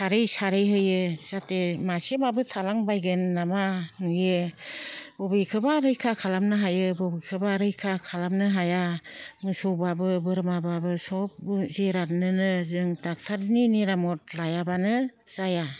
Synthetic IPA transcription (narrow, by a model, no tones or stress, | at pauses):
saɾɯjsaɾɯjɦɯjɯz̥atemasebabɯtʰalaŋbajɡɯnːamanɯjɯ | bɔbikʰɯbaɾɯjkʰakʰalamnɯɦajɯbɔbɯjkʰɯbaɾɯjkʰakʰalamnɯɦajaŋɯsɔwbabɯbɯɾɯmababɯsɔp̚bɯzeɾat̚nɯnɯzɯŋtak̚tʰaɾniniɾamɔt̚lajabanɯz̥aja